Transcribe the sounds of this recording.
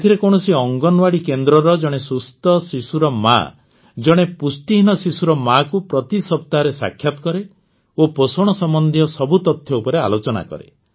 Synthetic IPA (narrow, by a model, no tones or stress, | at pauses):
et̪ʰiɾekoɽ̃ɔsiɔŋɡɔnwaɽikend̪ɾɔɾɔd͡ʒɔɽ̃esust̪ɔsisuɾɔma̰ | d͡ʒɔɽ̃epusʈiɦinɔsisuɾɔmakupɾɔt̪isɔp̚t̪aɾesa̰kʰːjat̪ɔ̥kɔɾe | oposoɽ̃ɔsɔmɔnd̪ʱijɔsɔbʱut̪ɔt̪ʰjɔupɔɾea̰lot͡ʃɔna̰kɔ̰ɾḛ